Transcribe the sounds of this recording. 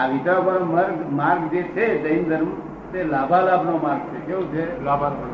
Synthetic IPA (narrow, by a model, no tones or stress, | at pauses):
aʋit̪abãməɾɡmaɾɡ̚d͡ʒet͡ʃʰed̪əind̪ʱəɾm | t̪elabʱalabʱnomaɾɡ̚t͡ʃʰek̪eũt͡ʃʰeb